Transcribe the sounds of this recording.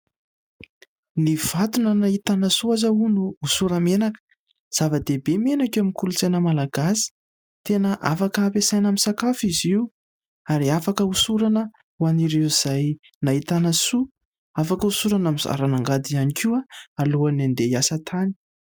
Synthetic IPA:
niv̥at̪unənait̪anasuazəunuusuɾəmenakə̥ | z̥avəd̪ebemenakamikulut͡senəmalaɡasi̥ | t̪enəʔa̰fakəapesajnamisakafiziu | aɾiafakəusuɾanə | waniɾeiz̥aj | nait̪anasu | afakəusuɾanamiza̰ɾanaŋɡad̪ianikiaaluanand̪ejasət̪ʰani̥

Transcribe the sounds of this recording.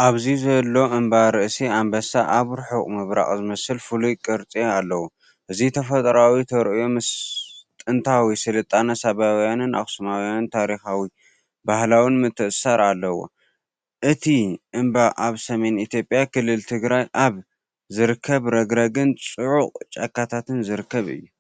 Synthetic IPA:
ʔaβzizɐlːo̞ʔɨmbaɾɨʔsiambɐsaʔaβɾħokʼmɨβɾa̰χʼzɨmɐsɨlfulujkʼɨɾt͡sʼealːɐwo | ʔɨzit̪ʰɐfɐt̪ʼɾawit̪ʰɐɾʔɨjomɨst̪ʼɨnt̪ʰawisɨlɨt̪ʼːanɐsaβawjanɨnʔa̰xsɨmawjanɨnt̪ʰaɾixawi | bahlawinmɨt̪ʰːɨʔsaɾalːɐwo̞̰ | ʔɨt̪ʰiʔɨmbaʔaβsɐme̞nit̪ʰjo̞pʼjakɨlːɨlt̪ʰɨɡɾajʔaβ | zɨɾɨkʰːɐβɾɐɡɾɐɡɨnt͡sʼɨʕuqʼt͡ʃʼɐkːat̪ʰat̪ʰɨnzɨɾɨkːɐβɨ̰jːu

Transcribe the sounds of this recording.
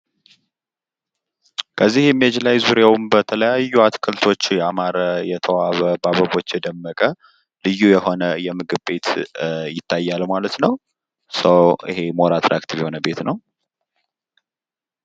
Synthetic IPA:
kʰəzːihjɛmːiɛd͡ʒlajzuɾawumbət̪ʰələjajːuat̪kʰəlt̪ʰo̞t͡ʃːjɛamaɾəjɛt̪ʰəwaβəbaβəβo̞t͡ʃːjɛd̪əmːəkʼə | lɨjːujɛho̞nəjɛmɨɡɨβbe̞t̪jɪt̪ʰːajːalmalət̪nəw | səwʔɨ̰he̞moɾat̪ʰɾʔa̰kt̪ʰivjɛho̞nəbe̞t̪nəw

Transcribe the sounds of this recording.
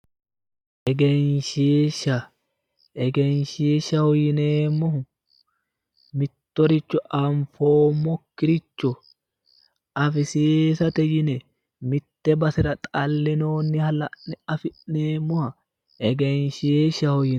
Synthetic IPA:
ʔɛɡɛnʃeːʃːɐ | ʔɛɡɛnʃeːʃːɐhɔjɪneːmːʊh | mɪt̪ːɔɾɪt͡ʃːʊʔɐɱfoːmːɔkːɪɾɪt͡ʃːʊ | ɐfɪseːsɐt̪ɛjɪnɛ | mɪt̪ːɛbɐsɪɾɐt̪ʼɐlːɪnoːnːɪhɐlɐʔnɛɐfɪʔneːmːʊhɐ | ʔɛɡɛnʃeːʃːɐhɔjɪ

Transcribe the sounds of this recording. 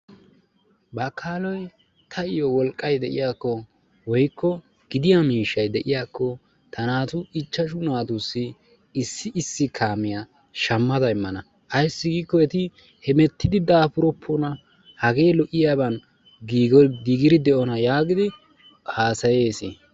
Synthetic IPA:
bɐkʰːaːlɔj | t̪ʰɐɪjɔwɔlkʼːɐjd̪ɛʔɪjaːkːɔ | wɔjkːɔ | ɡ̥ɪd̪ɪjamiːʃɐjd̪ɛʔɪjaːkːɔ | t̪ʰɐnaːt̪ʊɪt͡ʃːɐʃʊnaːt̪ʊsːɪ | ɪsːɪʔɪsːɪkʰaːmɪja | ʃɐmːɐd̪ɐɪmːɐnɐ | ʔɐjsːɪɡiːkːɔɛt̪ɪ | hɛmɛt̪ːɪd̪ɪd̪aːpʊɾɔpʰːɔnɐ | hɐɡe̞ːlɔʔɪjaːbɐn | ɡiːɡɔɡiːɡɪɾɪd̪ɛʔɔnɐjaːɡɪd̪ɪ | haːsɐje̞ːsɪ

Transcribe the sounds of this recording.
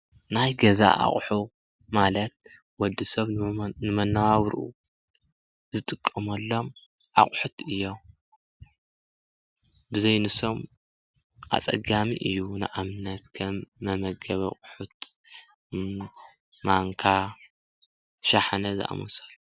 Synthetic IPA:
najɡɐza̰ʔa̰χʼħu | malɐt̪̚ | wɔd̪ɨsɐβnɨmɐnːawawɾʔṵ | zɨt̪ʼɨkʼːɐmɐlːo̞m | ʔa̰χʼħut̪ɨjːom | bɨzɐjnɨso̞m | ʔa̰t͡sʼɐ̰ɡamiʔɨjːunɨʔamɨnɐt̪kʰɐmːɐmɐɡɐβɐχʼʊħut̪ | maŋkʰa | ʃaħanɐzɨ̰ʔa̰mɐsɐlː

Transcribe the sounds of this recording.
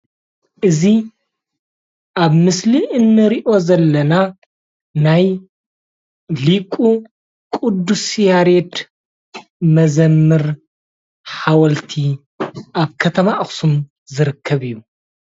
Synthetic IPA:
ʔɨzi | ʔaβmɨsliʔɨnːɨɾiʔo̞zɐlːɐna | naj | likʼu | kʼud̪ːusjaɾet̪ | mɐzɐmːɨɾ | ħawɐlt̪ʰi | ʔaβkʰɐt̪ʰɐmaʔxsum | zɨɾɨkʰːɐβijːu

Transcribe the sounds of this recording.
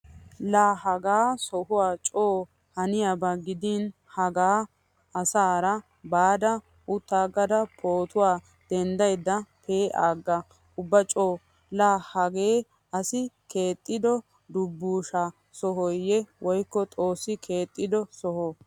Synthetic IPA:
laːɦɐɡaːsɔhʊwaːt͡ʃʼoː | hɐnɪjabɐɡɪd̪iːn | hɐɡaː | ɐsaːɾɐ | baːd̪ɐ | ʔʊt̪ːaːɡːɐd̪ɐpʰo̞ːt̪ʊwaː | d̪̥ɛnd̪ɐjd̪ːɐpʰeːʔa̰ːɡːɐ | ʊbːɐt͡ʃʼoː | laːhɐɡe̞ː | ʔɐsɪkʰe̞ːt̪ʼːɪd̪ɔ | d̪ʊbːuːʃa | sɔɦɔjɛwʔɔjkːɔt̪ʼo̞ːsːɪkʰe̞ːt̪ʼːɪd̪ɔsɔhɔ

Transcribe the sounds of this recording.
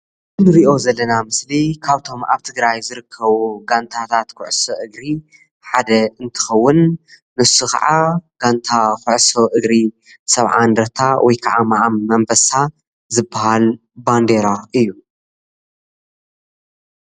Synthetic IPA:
ɨnɨɾiʔo̞zɐlːɐnamɨslikʰaβt̪ʰo̞ma̰βt̪ʰɨɡɾajzɨɾɨkʰːɐβuɡant̪ʰat̪ʰat̪kʰʊʕsoʔɨɡɾi | ħad̪ɐɨnt̪ʰɨ̥xɐwːʊnː | ɨsukʰɐ̰ʕaɡ̥ant̪ʰakʰʊʕso̞ʔɨɡɾi | sɐβʕa̰nd̪ɾɐt̪ʰawʔɔjkʰaʕamaʕamːɐmbɐsa | zɨbːahal | band̪eɾaɨjːu

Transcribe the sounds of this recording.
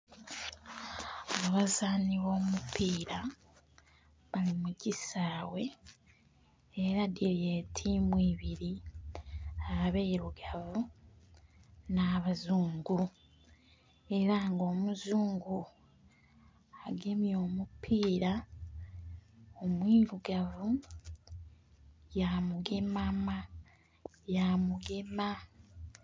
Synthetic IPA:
aβazaːniβo̞ːmupiːɾa | βalimuɟisaːwe̞ | eɾadiɾje̞tʰimwiːβiɾi | aaβeiɾuɡavu | naːβazuːŋɡu | e̞ɾaŋɡo̞ːmuzuːŋɡu | aɡemjo̞ːmupʰiːɾa | omwiːɾuɡavu | jamuɡemama | jamuɡema

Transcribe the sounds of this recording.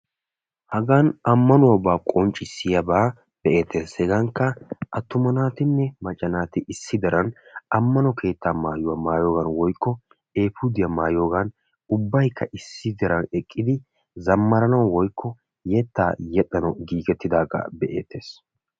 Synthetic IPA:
hɐɡanɐmːɐnʊwɐbaːkʼɔnt͡ʃʼːɪsːɪjɐbaː | b̥ɛʔe̞ːt̪ʰːeːshɛɡɐŋkːɐʔɐt̪ːʊmɐnaːt̪ɪnːɛmɐt͡ʃʼːɐnaːt̪ɪʔɪsːɪd̪ɐɾɐnɐmːɐnɔkʰe̞ːt̪ːaːmaːjʊwɐmaːjoːɡɐnwɔjkːɔ | e̞ːfud̪ɪjɐmaːjoːɡɐn | ʊbːɐjkʰːɐʔɪsːɪd̪ɐɾɐnɛkʼːɪd̪ɪ | zɐmːɐɾɐnɐwwɔjkʰːɔ | jɛt̪ːaːjɛɗʼɐnɔɡiːɡɛt̪ːɪd̪aːɡɐ̰bɛʔḛːt̪ʰːe̞ːs

